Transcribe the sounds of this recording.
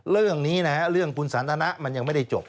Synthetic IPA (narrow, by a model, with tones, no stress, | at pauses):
ɾɯ˥˩əŋniː˦˥na˦˥a˦˥ɾɯ˥˩əŋkʰu˧nsaː˩˦nt̪ʰaː˧na˦˥ʔma˧nja˧ŋma˥˩jda˥˩jt͡ɕo̰˨˩p̚